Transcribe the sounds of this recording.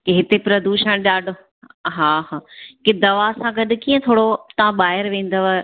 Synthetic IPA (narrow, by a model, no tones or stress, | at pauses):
keɦɪt̪epɾɐd̪uːʃəɽ̃ɗaːɖo | ɦaːɦaːkɪd̪ɐʋasãɡɐɗ̆kiːə̃t̪ʰoːɽot̪ɐʋ̤ãɓaːɦɪɾʋẽːn̆d̪oʋa